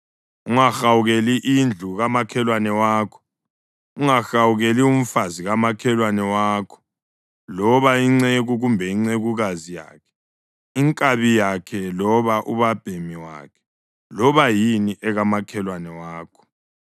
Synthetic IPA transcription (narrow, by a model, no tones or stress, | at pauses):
uŋaxawuɣeliʔind͡ɮʱuɣamakʰɛlwanɛwaːkʰɔ̥ | uŋaxawuɣelium̩faziɣamakʰɛlwanɛwaːkʰɔ̥ | lɔβaiŋ͡ǀeɣuɣumbʱɛiŋ͡ǀeɣuɣazija̰ːkʰɛ̥ | iŋkʼaβijakʰɛlɔβaʔuβab̥ʱemiwa̰ːkʰɛ̥ | lɔβajiniʔɛɣamakʰɛlwanɛwaːkʰɔ̥